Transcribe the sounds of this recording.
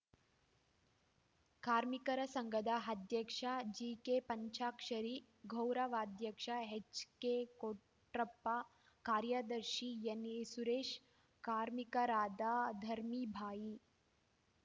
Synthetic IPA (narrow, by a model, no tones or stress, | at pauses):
kaːɾmikɐɾɐsɐŋɡɐd̪aɦɐd̪jɐkʂad͡ʒiːkepɐɲt͡ʃaːkʂɐɾiː | ɡʱɐwɾɐʋaːd̪jɐkʂaɦet͡ʃkeko | ʈɾɐpːa | kaːɾjad̪ɐɾʃijɐnisuɾeːʃ | kaːɾmikɐɾaːd̪aːd̪ʱɐɾmibʱaːji